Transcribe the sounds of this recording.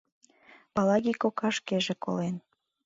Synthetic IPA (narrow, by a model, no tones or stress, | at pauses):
pɑlɑɣikokɑʃkeʒeko̰len